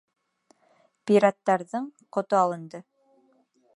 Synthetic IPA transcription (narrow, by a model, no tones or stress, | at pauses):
piɾat̪ːɑɾðɤɴqŏt̪oɑlˠɤ̆nd̪ɤ